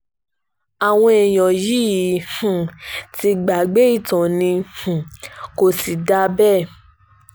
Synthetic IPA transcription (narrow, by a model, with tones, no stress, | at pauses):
a˨w̃ɔ̃˧e˨j̃ɔ̃˨ji˦˨hũ˨ti˧ɡ͡ba˨ɡ͡be˨˦i˦˨tã˨nĩ˧hũ˨ko˧si˨da˧˦bɛ˦˨